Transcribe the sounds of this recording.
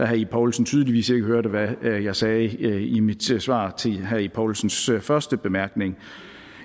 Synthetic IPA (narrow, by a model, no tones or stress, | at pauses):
æɦæipʰɒʊlsn̩t͡sʰyːð̞ˠliʋḭːse̝ɡ̥əɦøɐd̥ʋæjɑ̈ɪsɛːimid̥sʋɑ̰̈ːt͡sʰe̝ɦæipʰɒʊlsn̩sfɶɐsd̥əb̥e̝mæɐɡ̥ne̝ŋ